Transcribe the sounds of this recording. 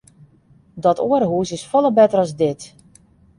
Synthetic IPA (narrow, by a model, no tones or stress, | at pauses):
dɔtʰoəɾɦuːsɪsfɔlˠəbɛtərɔzdɪt